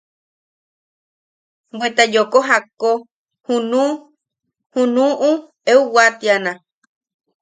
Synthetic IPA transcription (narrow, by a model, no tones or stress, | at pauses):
bwet̪ajokoɦako | hunu | hunũʔu | euwat̪ianã